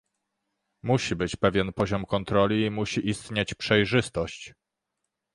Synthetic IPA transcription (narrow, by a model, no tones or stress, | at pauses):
muɕibɘt͡ɕpɛvʲjɛnpɔʑɔmkɔnt̪ɾɔlʲiːmuɕiʔist̪ɲet͡ɕpʂɛjʐɘst̪ɔɕt͡ɕ